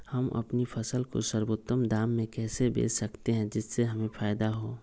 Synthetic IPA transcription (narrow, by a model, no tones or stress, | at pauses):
hɐmɐ̰pnipʰɐsəlko̰səɾwot̪ːəmd̪aːmːẽkɛːsebḛːssɐkt̪eɦɛ̃d͡ʒɪsːeɦɐmẽfʰaːjd̪aɦoː